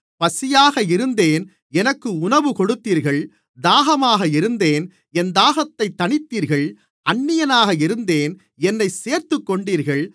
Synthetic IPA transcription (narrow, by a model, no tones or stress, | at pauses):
pɐsɪjaːɣɐɪɾɯnd̪eːn | ɛnɐkːɯʊnɐʋɯkɔɽɯt̪ːiːɾɣɐɭ | d̪aːɣɐmaːɣɐɪɾɯnd̪eːn | ɛnd̪aːɣɐt̪ːɐɪt̪ːɐɳɪt̪ːiːɾɣɐɭ | ʔɐɳːɪjɐnaːɣɐɪɾɯnd̪eːn | ɛnːɐɪseːɾt̪ɯkːɔɳɖiːɾɣɐɭ